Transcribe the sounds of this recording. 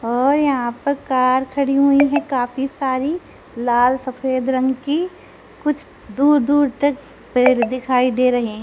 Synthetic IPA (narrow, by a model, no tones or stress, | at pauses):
ɔːɾjɐɦãpɐɾkaːɾkʰɐɽiɦuiɦɛ̃kaːfisaːɾi | laːlsɐfʰeːd̪ɾɐ̃ŋɡki | kʊt͡ʃʰ | d̪uːɾd̪uːɾt̪ɐk | peːɾd̪ɪkʰaːid̪eːɾɐɦeɦɛ̃ː